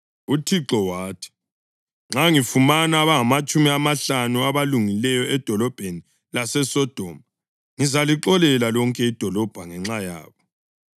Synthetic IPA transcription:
utʰiǁɔwaːtʰi̥ | ŋ͡ǁaŋifumanaβaŋamat͡ʃʼumiamaɬanuaβaluŋilɛjɔɛd̥ʱɔlɔb̥ʱeni | lasɛsɔd̥ʱɔma | ŋizaliǁɔlɛlalɔŋkʼɛid̥ʱɔlɔb̥ʱaŋɛŋ͡ǁaja̰ːβɔ

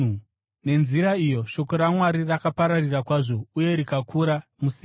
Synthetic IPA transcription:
ne̞nziɾaijo̞ʃo̞ko̞ɾamwaɾirakapaɾarirakwaʐo̞uje̞ɾikakʰuɾamusi

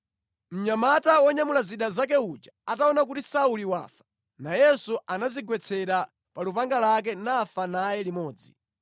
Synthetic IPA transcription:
m̩ɲamatawɔɲamulaziɗazak̬ɛud͡ʒaataɔnak̬utisauliwa̰ːfḁ | najɛsuʔanaziɡwɛt͡sʰɛɾa | palupaŋɡalak̬ɛnafanajɛlimɔːd͡zi

